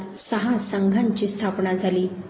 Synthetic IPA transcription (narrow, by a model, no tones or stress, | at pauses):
səɦasəŋɡʱaɲt͡ɕiːst̪ʰapɳad͡zʱaliː